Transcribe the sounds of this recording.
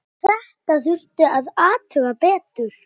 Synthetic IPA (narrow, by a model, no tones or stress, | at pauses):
t̪ʰɾɛht̪aθʏr̥t̪ʏaðaːt̪ʰœɣapɛːt̪ʏɾ̥